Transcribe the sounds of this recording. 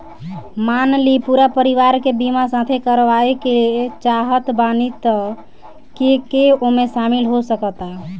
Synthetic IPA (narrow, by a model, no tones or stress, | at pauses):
manlipuɾapəɾiʋaɾkebimasãt̪ʰekəɾʋaekelt͡ʃaɦət̪banit̪ə | kekeomesamilɦosəkət̪a